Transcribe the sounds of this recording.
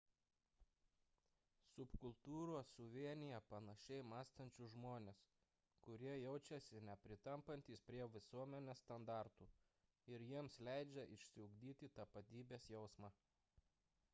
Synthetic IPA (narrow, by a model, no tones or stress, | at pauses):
sʊpkʊlˠt̪uːɾoːsːʊʋʲiɛnʲɪjɛpɐnɐʃʲɛɪmɑːst̪ɐnʲt͡ʃʲʊʒmoːnʲes | kʊɾʲiɛjɛʊt͡ʃʲɛsʲɪnʲɛpʲɾʲɪt̪ɐmpɐnʲt̪ʲiːspʲɾʲiɛʋʲɪsuɔmʲɛnʲest̪ɐnd̪ɑˑɾt̪uː | ɪɾjiɛmslʲæɪd͡ʒʲɛʔɪʃʲsʲɪʊɡd̪ʲiːt̪ʲɪt̪ɐpɐt̪ʲiːbʲeːsjɛʊsmɑː